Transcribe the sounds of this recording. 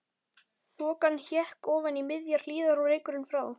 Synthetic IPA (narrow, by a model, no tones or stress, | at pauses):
θvɔːkanːçjɛhkɔːvanimɪðjaɾ̥l̥iːðaɾuɾeːjkʏɾɪnfɾaːw